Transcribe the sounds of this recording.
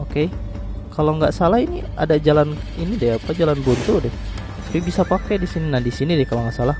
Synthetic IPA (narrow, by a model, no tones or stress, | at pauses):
oke | kaloŋɡaʔsalahini | a̰dad͡ʒalaninidɛapad͡ʒalanbunt̪udɛh | sapibisapakɛdisininahdisinidɛkaloŋɡaʔsalah